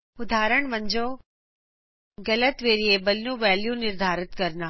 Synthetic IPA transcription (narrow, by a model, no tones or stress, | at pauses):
ʊd̪ʱaːɾəɳ̃ʋɐ̃ɲd͡ʒo | ɡɐlət̪ʋeːɾiebɐlnũʋɛːljũnɪɾd̪ʱaːɾɪt̪kɐɾnaː